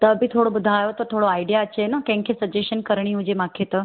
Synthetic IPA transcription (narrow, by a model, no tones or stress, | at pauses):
t̪əbʱit̪ʰoɽobud̪ʱajot̪ət̪ʰoɽoaiɖijaət͡ɕʰenɐkɛ̃ŋkʰesəd͡ʑeənkəɾɳ̃iɦud͡ʑemakʰet̪ə